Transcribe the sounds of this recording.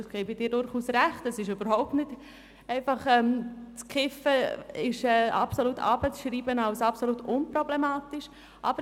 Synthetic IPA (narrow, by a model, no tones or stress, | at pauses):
ɪsɡ̥ɛːbɪd̥ɪːɾdʊɾχuːsɾæχtɛsɪʃøb̥əɾhɔʊp̚tnɪt | ɛɪfɑχɛmt͡skʰɪfəɪʃɛːɑ̰psolutʰɑ̰ːb̥ət͡sʃɾiːbənaʊsɑpsolutʊnpɾɔblemaːtɪʃ | ʔɑ̰b̥ə